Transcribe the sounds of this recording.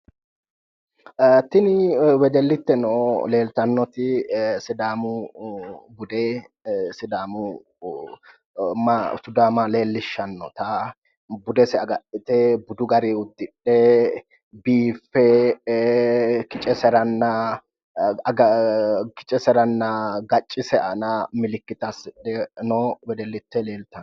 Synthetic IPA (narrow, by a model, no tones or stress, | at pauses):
t̪ɪnɪwɛd͡ʒɛlːɪt̪ːɛnoːle̞ːlt̪ɐnːɔt̪ɪsɪd̪aːmʊ | bʊd̪eː | sɪd̪aːmʊ | masʊd̪aːmɐle̞ːlːɪʃːɐnːɔ̰t̪ɐ | bʊd̪ɛsɛɐɡɐʔɪt̪ɛbʊd̪ʊɡɐɾeʊd̪ːɪɗːɛ | biːfːɛ | kɪt͡ʃʼɛsɛɾɐnːɐ | ɡɐkɪ̥t͡ʃʼɛsɛɾɐnːɐɡɐt͡ʃʼːɪsɛʔɐnɐmɪlɪkːɪt̪ɐsɪɗːɛnobɛd̪ɛlːɪt̪ːɛle̞ːlt̪ɐn